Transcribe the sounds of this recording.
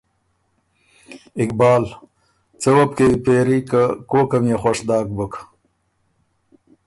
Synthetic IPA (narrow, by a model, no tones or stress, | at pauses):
ɪk̚bɑːl | t͡səwɐp̚keipeːɾikakoːkɐmjaxaʂd̪ɑːk̚bək